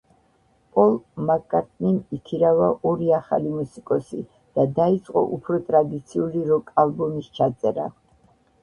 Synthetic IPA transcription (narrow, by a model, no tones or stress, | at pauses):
pʼɔlˠmakʼaɾt̪ʼʰnimikʰiɾavaʔɔɾiaχa̰limusikʼɔsḭ | d̪̥ad̪ait̪sʼqʼɔ̰ʔupʰɾɔt̪ʼɾad̪it̪sʰiuliɾɔkʼalˠbɔmist͡ʃʰat̪sʼɛɾa̰